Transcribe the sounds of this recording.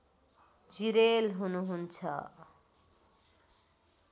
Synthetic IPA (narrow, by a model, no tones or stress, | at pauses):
d͡ziɾelɦunuɦunt͡sʰʌ̰